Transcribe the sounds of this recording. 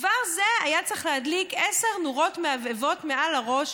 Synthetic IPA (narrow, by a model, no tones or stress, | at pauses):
vaʁzeajat͡sʁeχleɦadlikeseʁnuʁo̞tmeavevo̞tme̞ʔalaʁo̞ʃ